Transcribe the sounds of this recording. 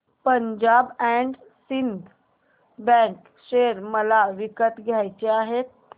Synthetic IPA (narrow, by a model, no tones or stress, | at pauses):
pəɲd͡ʑabɛ̃ɳɖ | sind̪ʱ | bɛ̃k | ɕeɾməlaʋikət̪ɡʱjajt͡ɕeaɦet̪̚